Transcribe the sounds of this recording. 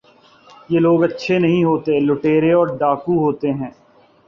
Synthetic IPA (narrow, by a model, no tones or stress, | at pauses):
jeːloːɡɐtːʃʰenɐɦĩɦoːt̪elʊʈeːɾeɔːɾɖaːkuɦoːt̪eɦɛ̃ː